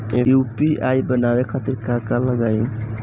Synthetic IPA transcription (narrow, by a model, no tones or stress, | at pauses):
ejupiʔajbənawekʰat̪iɾkaɾkaləɡaj